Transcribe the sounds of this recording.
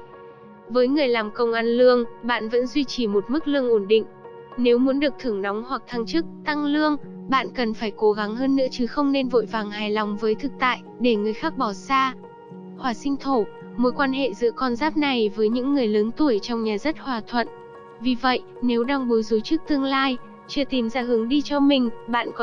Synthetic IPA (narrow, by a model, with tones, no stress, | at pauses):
vəː˨˦jŋɨ˨˩əjlaː˨˩mkə˧wŋ͡mʔaː˧nlɨ˧əŋɓa̰ː˧˨nvə̰˧˥nzwi˧t͡ɕi˨˩mo˨˩t̚mɨ˦˥k̚lɨ˧əŋʔo˧˩nɗḭ˧˨ŋ̟ | ne˨˦wmu˨˦nɗɨ˨˩ək̚t̪ʰɨ˧˩əŋna˨˦wŋ͡mhwa˨˩k̚t̪ʰa˧ŋt͡ɕɨ˦˥k̚t̪a˧ŋlɨ˧əŋ | ɓa̰ː˧˨nkə˨˩nfaː˧˩jko˨˦ɣa˨˦ŋɦəː˧nːɨ̰˧˥ət͡ɕɨ˨˦xə˧wŋ͡mne˧nvo̰˧˨jvaː˨˩ŋhaː˨˩jlɔ˨˩wŋ͡mvəː˨˦jt̪ʰɨ˨˩k̚t̪a̰ː˧˨jɗe˧˩ŋɨ˨˩əjxaː˦˥k̚ɓɔ˧˩saː˧ | hwaː˧˩sï˧ŋ̟t̪ʰo˧˩ | mo˨˦jkwaː˧nɦḛ˧˨zɨ̰˧˥əkɔ˧nzaː˦˥p̚na˨˩jvəː˨˦jɲɨ̰˧˥ŋːɨ˨˩əjləː˨˦nt̪u˧˩əjt͡ɕɔ˧wŋ͡mɲaː˨˩zə˦˥t̚hwaː˨˩t̪ʰwə̰˧˨n | vi˨˩və̰˧˨jʔ | ne˨˦wɗa˧ŋɓu˨˦zo˨˦t͡ɕɨ˦˥k̚t̪ɨ˧əŋlaː˧j | t͡ɕɨ˧˩t̪i˨˦mzaː˧˩ɦɨ˨˦ŋɗi˧t͡ɕɔ˧mï˨˩ŋ̟ɓa̰ː˧˨nkɔ˨˦